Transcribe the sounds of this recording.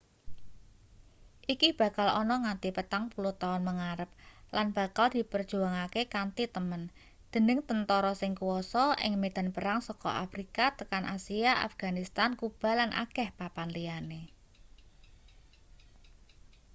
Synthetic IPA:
ʔikib̥ä̤kalɔnɔŋant̪ipət̪aŋpuluht̪aʊnməŋaɾəp̚lanb̥a̤kald̪̥i̤pərd̥ʒ̥ṳaŋakekant̪it̪əmən | d̪̥ə̤nɪŋt̪ənt̪ɔɾɔsɪŋkuwɔsɔʔɪ̰ŋmed̪̥a̤npəɾaŋsɔkɔ̰ʔa̰fɾikat̪əkanʔasiaʔa̰fɡ̥a̤nist̪ankub̥a̤lanʔa̰kɛhpapanlijane

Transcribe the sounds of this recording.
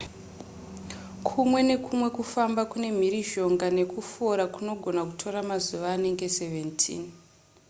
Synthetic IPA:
kʰumwe̞ne̞kʰumwe̞kufambakune̞m̤iriʒo̞ŋɡane̞kufoɾakuno̞ɡʱo̞naku̥tʰo̞ɾamazuʋaːne̞ŋɡe̞se̞ve̞ntʰḭːn

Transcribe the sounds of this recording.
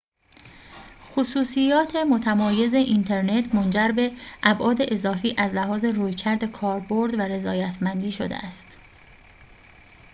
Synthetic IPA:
xosuːsijɒːt̪ʰe̞mo̞t̪ʰæmɒːje̞ze̞ʔint̪ʰe̞ɾne̞t̪ʰmond͡ʒæɾbe̞ʔæbʔɒːd̪e̞ʔezɒːfiːʔæzlæɦɒːze̞ruːjcʰæɾd̪e̞kʰɒːɾbo̞ɾd̪væɾe̞zɒːjæt̪ʰmænd̪iːʃo̰d̪ḛʔæst̪

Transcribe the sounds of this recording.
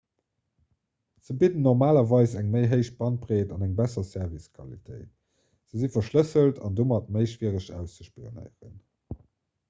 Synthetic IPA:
z̥əbidən̩nːɔʁmaːlɐvɑɪsæŋməɪɦəɪʃ̚b̥ɑn̚bʁeːtɑnæŋbæsɐsɛɐviskʰɑ̰lḭtʰə̰ɪt̚ | z̥əzifɐʃləsəltʰɑ̰ndoːmɑt̚məɪʃv̥iəʁəɕæ̰ʊst͡səʃpio̰nə̰ɪəʁə̰n

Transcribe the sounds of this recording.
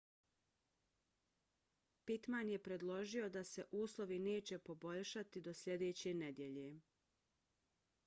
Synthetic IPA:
pit̪manje̞pɾe̞d̪lˠo̞ʒio̞d̪ase̞ʔuːslˠo̞ʋineːt͡ɕe̞po̞bo̞ʎʃat̪id̪o̞sʎʲe̞d̪eːt͡ɕened̪je̞ʎe̞

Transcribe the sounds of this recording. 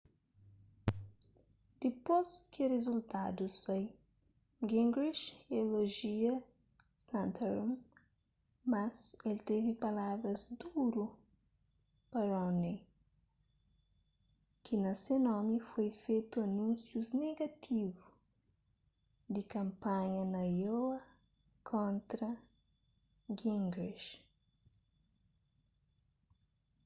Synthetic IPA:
d̪̥ipozkɪrezult̪ad̪usɐj | ɡĩŋɡɾiʃeloʒiɐ | sãnt̪eɾum | mɐzelt̪evipɐlavɾɐzd̪uɾu | pɐɾɔne | kʰinasenomifojfet̪uanunsjuzneɡat̪ʰivu̥ | d̪ikampaɲənajoa | kʰõnt̪ɾə | ɡiŋɡɾiʃ

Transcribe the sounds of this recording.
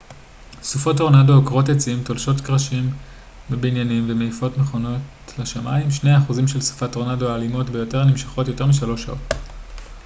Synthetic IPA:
sufoto̞ʁnadokʁo̞tjet͡siimtolʃo̞tkʁaʃim | bebinjanimvemeifo̞tneχo̞no̞t | leʃamaimʃne̞jaːχuzimʃe̞lsu̥fatoʁnadoaːlimo̞tbejo̞te̞ʁnimʃḁχo̞tjo̞te̞ʁmiʃalo̞ʃa̰o̞t

